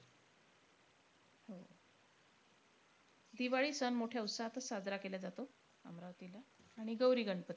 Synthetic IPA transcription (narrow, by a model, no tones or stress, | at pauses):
ho | d̪iʋaɭisənmoʈʰjaut̪saɦat̪asad͡zɾakelad͡zat̪o | ə̰mɾaʋt̪ilaːɽ̃iɡəwɾiːɡəɳpət̪i